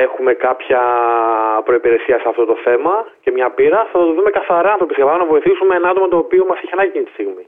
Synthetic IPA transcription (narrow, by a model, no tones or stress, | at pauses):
e̞xume̞kɐpçɐ | pɾo̞ipiɾe̞siɐseɐft̪o̞t̪oθe̞mɐce̞mɲɐpiɾɐθɐt̪oðume̞kɐθɐɾɐɐnθɾopisɐpɐlɐnɐvo̞iθisumeenɐɐt̪omɐt̪o̞ːpio̞mɐseçienɐcinit̪i̥st̪iɣmi